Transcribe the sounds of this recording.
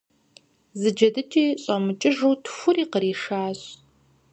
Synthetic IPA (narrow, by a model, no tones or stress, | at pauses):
zɨd͡ʒɐdɨtʰiːɕʼɐmɨt͡ʃʼɪʒuːtʰxʷʊriːqəɾiːʂaːɕ